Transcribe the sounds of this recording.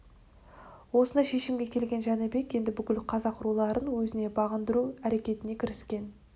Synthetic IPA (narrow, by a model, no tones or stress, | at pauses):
wo̞sənɑjʃe̞ʃɪmɡʲe̞kʲʰe̞lɡʲe̞nʒænɪbe̞kʲje̞nd̪ɪbʏkʲɪlqʰɑzɑqʰʊɾulˠɑɾənwɵzɪne̞bɑʁənd̪əɾuæɾe̞kʲe̞t̪ɪne̞kʲʰɪɾɪskʲe̞n